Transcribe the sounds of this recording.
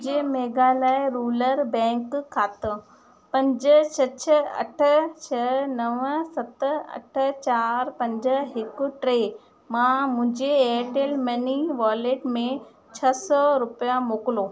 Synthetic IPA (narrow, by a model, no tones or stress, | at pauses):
d͡ʑemeːɡalaːɪɾuːləɾbɛ̃ːŋkkʰːaːt̪õ | pɐ̃ɲd͡ʑət͡ɕʰɐt͡ɕʰəɐ̰ʈʰət͡ɕʰɐnɐʋsɐt̪ɐ̰ʈʰə̆t͡ɕaːɾpɐ̃ɲd͡ʑɦɪkʊʈɾe | mãmʊ̃ɦɪ̃ɲd͡ʑeeːʈeːlmɐniʋaːleːʈmẽ | t͡ɕʰɐsɔɾʊpijamoːkɪloː